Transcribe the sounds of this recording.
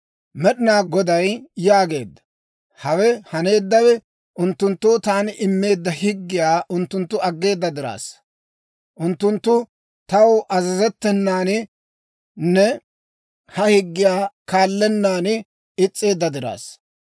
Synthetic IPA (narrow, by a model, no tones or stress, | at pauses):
mɛɗɪnaːɡɔd̪ɐjjaːɡe̞ːd̪ːɐ̥ | hɐwɛhɐne̞ːd̪ːɐwɛ | ʔʊnt̪ːʊnt̪ːʊt̪aːnɪʔɪmːe̞ːd̪ːɐhɪɡːɪjaːʔʊnt̪ːʊnt̪ːʊɐɡːe̞ːd̪ːɐd̪ɪɾa̰ːs | ʔʊnt̪ːʊnt̪ːʊ | t̪ɐwʔɐzɐzɛt̪ːɛnːaːnɪ | nːɛ | hɐhɪɡːɪjaːkaːlːɛnːaːnɪ | ɪt͡sʼːe̞ːd̪ːɐd̪ɪɾa̰ːs